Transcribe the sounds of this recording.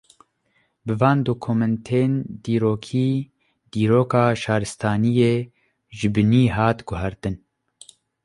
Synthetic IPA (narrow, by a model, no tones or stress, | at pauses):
bɨvɑːnd̪oːkʰoːmɛnt̪ʰeːnd̪iːɾoːkʰiː | d̪̥iːɾoːkɑːʃɑːɾɨst̪ʰɑːnijeː | ʒɨbɨniːɦɑːt̪ɡʊɦɛɾt̪ɨn